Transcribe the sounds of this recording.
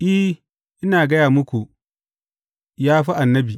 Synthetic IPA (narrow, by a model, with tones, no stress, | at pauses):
ʔɪ˦h | ʔɪ˦naː˨ɡɐ˦jaː˨mʊ˦kʷu˨ | jaː˦ɸi˦ʔa˨nːɐ˦biː˨